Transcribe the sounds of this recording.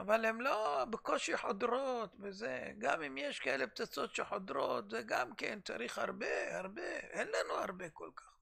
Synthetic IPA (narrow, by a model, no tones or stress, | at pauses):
avalemlo̞beko̞ʃiħo̞d̪ɾot̪vezeɡa̰mimjeʃkaʔelep̚t͡sat͡so̞t̪ʃeħo̞d̪ɾo̰t̪zeɡamkḛnt͡sa̰ɾiχha̰ʁbehaʁbeʔenlanuha̰ʁbe̞kolkḁχ